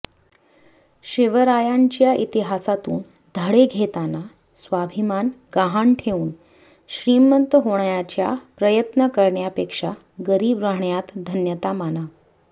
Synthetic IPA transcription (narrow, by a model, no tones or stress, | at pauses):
ɕeʋəɾajaɲt͡ɕjaʔit̪iɦasat̪uːn | d̪ʱəɽeɡʱet̪ana | sʋabʱimanɡaɦaɳʈʰeuːn | ɕɾiːmənt̪əɦoɽjat͡ɕja̰pɾəjət̪nəkəɾɳjapekʂa | ɡəɾiːbɾaɦɳjat̪d̪ʱənjət̪amana